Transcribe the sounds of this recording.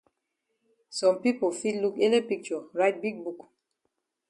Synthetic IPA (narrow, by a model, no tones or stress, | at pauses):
sɔ̃mpipolfitlukelepik̚t͡ʃɔɹaɪt̚biɡ̚buk